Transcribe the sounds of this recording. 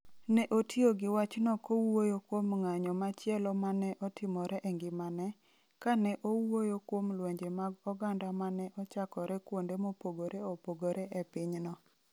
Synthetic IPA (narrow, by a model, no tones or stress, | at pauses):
nɛʔotioɡɪwat͡ʃnɔkowojokwomŋaɲɔmat͡ʃjɛlɔmanɛʔɔtɪmɔɾɛʔɛŋɡɪmanɛ | kanɛʔowojokwomlweɲd͡ʒemaɡɔɡandamanɛʔɔt͡ʃakɔɾɛkwondemopoɡoɾeopoɡoɾeʔɛpɪɲnɔ